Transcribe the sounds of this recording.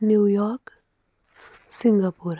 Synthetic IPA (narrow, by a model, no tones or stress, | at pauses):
njuːjɔːɾk | sɪ̃ŋɡapuɾ